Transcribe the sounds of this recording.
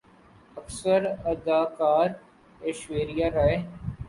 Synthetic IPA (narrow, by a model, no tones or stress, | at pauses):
əksəɾɐd̪aːkaːɾ | eʃweːɾijaːɾaeː